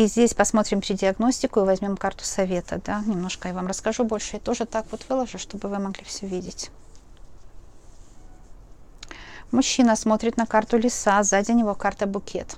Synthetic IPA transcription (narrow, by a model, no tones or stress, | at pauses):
izʲdʲesʲpɐsmo̞t̪ɾʲɪmpɾʲɪdʲɪɐɡno̞sʲtʲɪkʊivɐzʲmʲo̞mkart̪ʊ̥sɐvʲe̞t̪əd̪anʲɪmno̞ʂkəjavamrəskɐʐubo̞lʲʂɨɪt̪o̞ʐɨt̪akvo̞t̪vɨlˠəʐɨʂt̪o̞bɨvɨmɐɡlʲifsʲɵvʲidʲɪtʲ | mʊɕːinəsmo̞t̪ɾʲɪt̪nɐkart̪ʊlʲɪsazadʲɪnʲɪvokart̪əbʊkʲʰe̞̰t̪